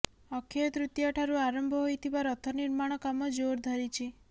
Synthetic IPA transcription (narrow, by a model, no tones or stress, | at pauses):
ɔkʰjɔt̪ɾut̪jaʈʰaɾuaɾɔmbʱɔɦojt̪ʰibaɾɔt̪ʰɔniɾmaɽ̃ɔkamɔd͡ʒoɾd̪ʱɔɾit͡ʃʰi